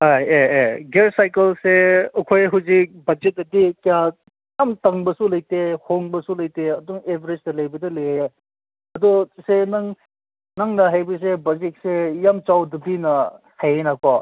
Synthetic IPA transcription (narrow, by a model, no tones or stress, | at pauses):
ajeeɡeɾsajkɐlseɐkʰojɦuwzik̚bɐd͡ʒet̚ːɐdikɐja | jamtɐŋbɐsulɐjtehoŋbɐsulɐjteɐduŋebiɾesdɐlɐjbɐdɐlejje | ɐdusenɐŋ | nɐŋnɐɦajbɐs̬ebɐzik̚sejamt͡ʃawdɐbinɐ | hajenakʰɔ